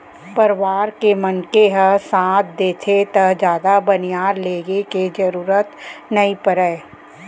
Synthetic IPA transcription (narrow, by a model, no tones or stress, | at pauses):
pɐɾʋaːɾkemɐnkeɦəsãːt̪̚ʰd̪eːt̪ʰet̪ɐɦd͡ʒaːd̪abɐnijaːɾleːɡeked͡ʒəɾuːɾət̪nɐipəɾəe